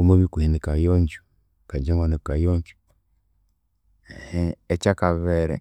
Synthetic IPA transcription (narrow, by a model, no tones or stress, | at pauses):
omuβikuinikajoːɲɟu | kaɟaŋwanikajoːɲɟu̥ | heecakaβeːɾḛ